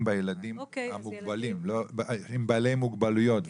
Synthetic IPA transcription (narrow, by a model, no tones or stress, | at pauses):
mbajelad̪imhamuɡbalimloimbalejmuɡbalujo̞t̪v